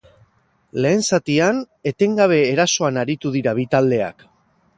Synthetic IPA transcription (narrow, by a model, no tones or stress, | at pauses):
le̞ːnsat̪ian | e̞t̪e̞ŋɡaβ̞e̞ːɾaso̞anaɾit̪uðiɾaβit̪ald̪e̞a̰k